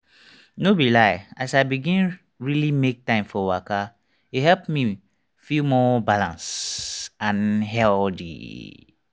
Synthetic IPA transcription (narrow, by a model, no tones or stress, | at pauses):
nobilaɪasaɪbiɡĩn | ɹilimek̚tãɪ̃mfɔwaka | ihɛlpmi | filmɔbalãns | ãnɦɛldḭ